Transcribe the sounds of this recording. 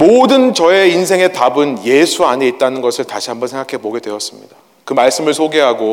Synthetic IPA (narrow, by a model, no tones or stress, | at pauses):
modɯnt͡ɕʌe̞insʰeŋe̞tabɯnje̞sʰuaɲe̞it̚t͈anɯnɡʌsʰɯɭtaɕʰiɦambʌnsʰe̞ŋɡakʰe̞moɡe̞dwe̞ʌs͈ɯmɲida | kɯmaɭs͈ɯmɯɭsʰoɡe̞ɦaɡo